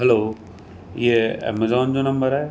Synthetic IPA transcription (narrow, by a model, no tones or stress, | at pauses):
ɦɐloː | jeɛ̰mɐzɔːnd͡ʑonɐ̃mbəɾaːe